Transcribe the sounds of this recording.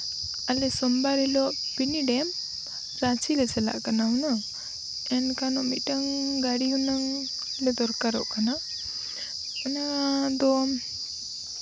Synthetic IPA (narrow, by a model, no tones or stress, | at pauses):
alɛsɔmbaɾɛlɔʔpiniɖɛm | ɾat͡ʃilɛsɛla̰ʔkanauna | ɛnkanɔʔmiʈaŋɡaɽiɦunaŋ | lɛd̪ɔɾkaɾɔ̰ʔkana | ɛnad̪ɔ